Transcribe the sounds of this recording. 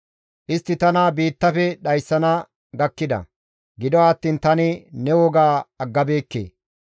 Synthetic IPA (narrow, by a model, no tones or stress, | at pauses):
ʔɪst̪ːɪt̪ɐnabiːt̪ːɐfɛɗɐjsːɐnɐ | ɡɐkːɪd̪ɐ̰ | ɡɪd̪ɔaːt̪ːiːnt̪ɐnɪnɛwɔɡaːɐɡːɐbe̞ːkːḛː